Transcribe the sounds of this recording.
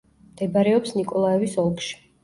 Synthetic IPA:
md̪̥ɛbaɾɛɔpsnikʼɔlˠaɛvisɔlˠkʰʼʃi̥

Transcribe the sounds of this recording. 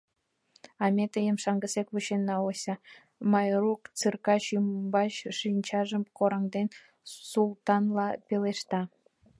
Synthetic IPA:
ɑmʲet̪əjəmʃɑŋɡəsekβuɕenːɑosʲɑ | mɑjrukt͡sɨrkɑɕymbɑt͡ɕʃinʲt͡ɕɑʒəmkoɾɑŋd̪en | sulˠt̪ɑnlɑpeleʃt̪ɑ

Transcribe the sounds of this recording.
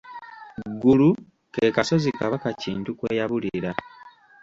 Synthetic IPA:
ɡulu | keːkaso̞zikaβakaciːntukwe̞ːjaβuliɾa

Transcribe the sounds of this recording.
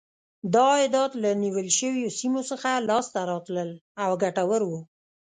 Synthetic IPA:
d̪ɑɪd̪ɑt̪laniwəlʃəwjosimosəxalɑst̪aɾɑt̪ləlawɡaʈawəɾwu

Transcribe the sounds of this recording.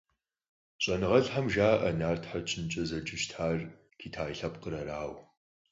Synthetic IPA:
ɕʼɐnɨʁɐɬħamʒaːʔɐnaːrtʰħat͡ʃʰɪnt͡ʃʼɐzɐd͡ʒɪʃtʰħaːr | kʰiːtʰaːjɬɐpqəɾɐɾaːw

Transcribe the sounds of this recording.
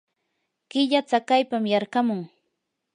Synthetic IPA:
ɢɪʎat͡sakajpamjɑɾɢɑmʊŋ

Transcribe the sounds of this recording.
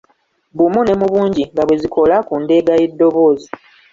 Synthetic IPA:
bumune̞muβuːɲɟiŋɡaβwe̞zikʰo̞lakunde̞ɡaje̞dːo̞βo̞ːzi

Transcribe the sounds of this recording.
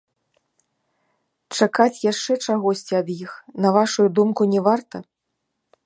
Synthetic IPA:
t͡ʂakat͡sʲjaʂt͡ʂɛt͡ʂaɣɔsʲt͡sʲiɐd̪jixnɐvaʂujud̪umkunʲɛvart̪ɐ

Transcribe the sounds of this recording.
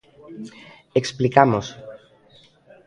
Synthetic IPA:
eksplikamos

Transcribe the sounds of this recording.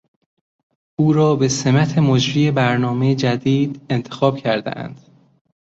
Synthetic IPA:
uːɾɒːbe̞se̞mæt̪ʰe̞mod͡ʒɾiːebæɾnɒːmejed͡ʒæd̪iːd̪̥e̞nt̪ʰe̞̥xɒːb̥cʰæɾd̪ḛʔæ̰nd̪̥

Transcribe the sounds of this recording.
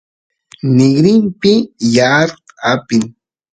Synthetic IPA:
nɪɡɾɪmpɪjaɾapɪŋ

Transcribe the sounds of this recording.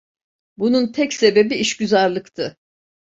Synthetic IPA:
bununt̪ʰɛcse̞be̞biiʃɟyzaɾlˠɯkt̪ʰɯ

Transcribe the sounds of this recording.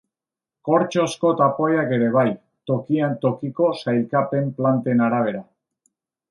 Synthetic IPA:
ko̞ɾt͡ʃo̞sko̞t̪apo̞jake̞ɾe̞β̞aj | t̪o̞kiant̪o̞kiko̞sajlkape̞mplant̪e̞naɾaβ̞e̞ɾa

